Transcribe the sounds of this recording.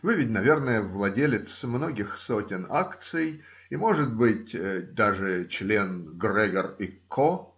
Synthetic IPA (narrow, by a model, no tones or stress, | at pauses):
vɨvʲɪtʲnɐvʲe̞rnəjəvlˠɐdʲelʲɪt̪smno̞ɡʲɪxso̞tʲɪnakt̪sɨj | imo̞ʐɨt̪̚bɨt̚ʲəd̪aʐɨt͡ɕlʲenɡrɛɡʲərikʰːo